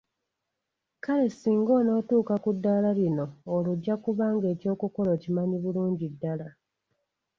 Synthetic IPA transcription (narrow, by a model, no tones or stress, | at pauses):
kale̞siːŋɡo̞ːno̞ːtuːkakudːaːlalino̞ːluɟːakuβaːŋɡe̞ːco̞ːkuko̞le̞cimaɲiβuluːɲɟidːala